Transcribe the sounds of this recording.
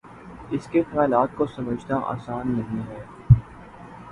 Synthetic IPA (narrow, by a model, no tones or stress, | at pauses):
ɪskek̪ɐmaːɪlaːt̪̚kosɐməd͡ʒʱnaʔa̰ːsaːnːɐɦĩɦɛː